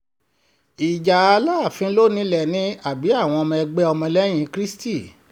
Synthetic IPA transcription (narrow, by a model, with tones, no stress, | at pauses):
i˨d͡ʒa˨a˧la˦˨fĩ˨˦lo˦nĩ˨˦lɛ˦˨nĩ˧˦a˨bi˨˦a˦˨w̃ɔ̃˧ɔ˧mɛ̃˧ɛ˧ɡ͡bɛ˦ɔ˧mɔ̃˧lɛ˦j̃ĩ˧˦kɾi˦sti˦˨